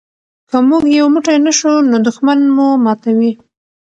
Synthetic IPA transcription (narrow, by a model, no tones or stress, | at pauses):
kəmuɡjawmuʈajnaʃonod̪ʊxmanmumɑt̪awi